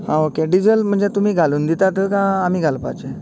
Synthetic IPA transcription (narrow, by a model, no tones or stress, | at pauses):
ɦãokeɖid͡zəlm̤əɳd͡zet̪um̤iːɡʱaluːnd̪it̪at̪əkãam̤iːɡʱalpa̰t͡ɕe